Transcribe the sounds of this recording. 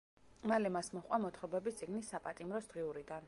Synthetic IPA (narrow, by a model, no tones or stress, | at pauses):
malɛmasmɔχʼwamɔt̪ʰχɔbɛbist̪sʼiɡnisːapʼat̪ʼimɾɔsd̪̥ʁiuɾid̪an